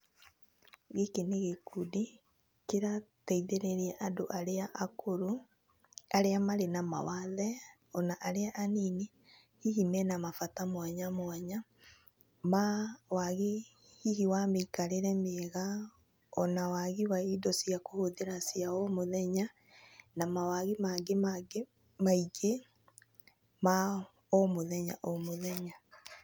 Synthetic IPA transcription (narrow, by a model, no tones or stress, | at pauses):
ɣekeneɣekudi | keɾatɛiðeɾɛɾiɛʔadoʔaɾeaʔakoɾo | aɾeamaɾenama̰waðɛ | ɔnaʔaɾeaʔanine | hiɦimɛnamafatamwaɲamwaɲa | mawaɣe | hiɦiwameikaɾeɾɛmeɣa | ɔnawaɣiwaidɔsiakohoðeɾasiaɔmoðɛɲa | namawaɣimaɡemaɡe | maiɡe | ma | omoðɛɲaʔomoðɛɲa